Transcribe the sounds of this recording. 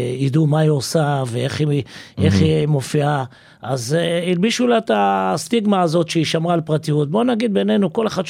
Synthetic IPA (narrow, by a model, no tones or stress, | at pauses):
id̪umaiosaveeχiʔeχimo̞fia | ʔazilbiʃulat̪ast̪iɡmaːzo̞t̪ʃeiʃamʁaːlpʁat̪ijut̪̚bo̞naɡid̪̚be̞ne̞nuko̞leχad̪ʃ